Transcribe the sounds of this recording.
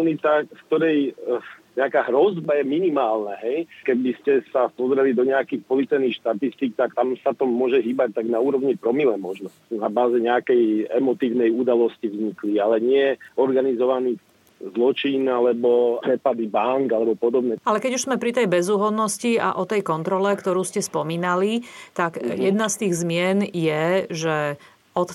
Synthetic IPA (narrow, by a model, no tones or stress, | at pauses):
nit̪akfkt̪ɔɾɛj | ɲɛakaːɦɾɔzbajɛminimaːlnaɦɛjkɛbiscɛsapɔzɾɛlid̪ɔɲɛakixpɔlit͡sɛnixʃt̪at̪ist̪iːk̚t̪akt̪amsat̪ɔmʊɔʒɛɦiːbac̚t̪aɡnauːɾɔʋɲipɾɔmilɛmɔʒnɔ | nabaːzɛɲɛakɛjɛmɔt̪iːʊnɛjud̪alɔscivɲiklialɛɲɪɛɔɾɡanizɔʋaniːɣ | zlɔt͡ʃinalɛbɔpɾɛpad̪ibaŋkalɛbɔpɔd̪ɔbnɛalɛkɛɟuʒz̥mɛpɾit̪ɛjbɛzuːɦɔd̪nɔscia̰ʔɔt̪ɛjkɔnt̪ɾɔlɛkt̪ɔɾuːscɛspɔmiːnalit̪aɡjɛd̪nast̪iːɣzmɪɛnjɛʒɛ | ɔt̪